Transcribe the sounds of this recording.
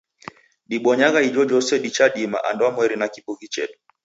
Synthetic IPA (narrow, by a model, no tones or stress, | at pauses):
ɗiɓɔɲaɣaid͡ʒɔd͡ʒɔsɛɗit͡ʃaɗima̰ʔandɔamwɛɾinakipuɣit͡ʃɛ̰ɗu